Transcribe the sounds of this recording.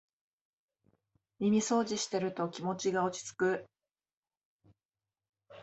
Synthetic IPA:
mʲimʲiso̞ːʑiɕi̥t̪e̞ɾɯ̟t̪o̞kʲimo̞t͡ɕiɡao̞t͡ɕi̥t͡sɨ̥kɯ̟

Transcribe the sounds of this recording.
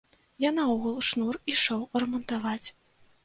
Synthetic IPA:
janɐɔɣulˠʂnuriʂɔwrɛmɔnt̪avat͡sʲ

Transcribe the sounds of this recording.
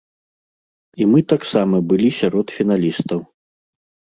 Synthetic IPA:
imɨt̪aksamɐbɨlʲisʲaɾɔt̪fʲinalʲist̪ɐw

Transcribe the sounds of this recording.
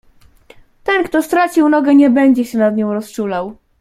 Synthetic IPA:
t̪ɛnkt̪ɔst̪ɾat͡ɕiwnɔɡɛɲɛbɛɲd͡ʑɛɕɛnad̪ɲɔ̃w̃ɾɔst͡ʂulaw

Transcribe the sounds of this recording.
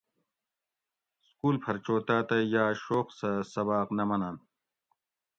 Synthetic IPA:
skuːlpʰɐɾt͡ɕoːt̪aːt̪ɐjaːɕoːqsɐsɐbaːqnɐmɐnaːn

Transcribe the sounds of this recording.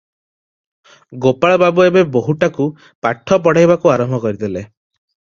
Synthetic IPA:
ɡopaɭɔbabɔebeboɦuʈaku | paʈʰːɔp̬ɔɽ̤ajbakuaɾɔmbʱɔkɔɾid̪ele

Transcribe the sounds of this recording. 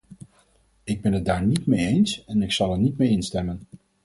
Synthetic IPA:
ɪɡ̚bɛnɦət̚daːɹnitmejejnsɛnɪksɑlˠɛɹnitmejɪnstɛmən

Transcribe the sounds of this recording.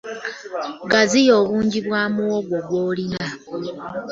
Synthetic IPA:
ɡazijo̞ːβuːɲɟiβwaːmuwoɡwoɡwo̞ːlina

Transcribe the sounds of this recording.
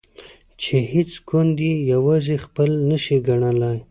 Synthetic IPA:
t͡ʃehɪt͡skʊnd̪ijawazexpəlnəʃiɡaɳəlaj

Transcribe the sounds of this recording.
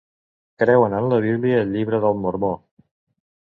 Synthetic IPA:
kɾɛwənənləβ̞iβliəːʎːiβɾəðəlˠmuɾmo

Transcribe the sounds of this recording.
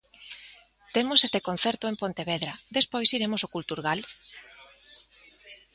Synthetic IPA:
t̪emosest̪ekon̟θɛɾt̪oempont̪eβeðɾɐd̪espojsiɾemosokult̪uɾɣal

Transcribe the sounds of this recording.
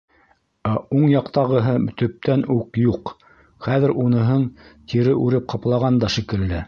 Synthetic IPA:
æuɴjɑqt̪ɑʁɤ̆ɦɤt̪ɵ̆p̚t̪ænukjuq | χæðɘ̆ɾunɤ̆ɦɤɴt̪ʰiɾɘʔʉɾɘp̚qʰɑplˠɑʁɑnd̪ɑʃikɘ̆ld̪ɘ

